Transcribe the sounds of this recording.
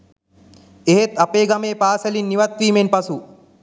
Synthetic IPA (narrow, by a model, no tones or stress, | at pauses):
eɦet̪apeːɡɐmeːpaːselinːiʋɐt̪ʋiːmenpɐsu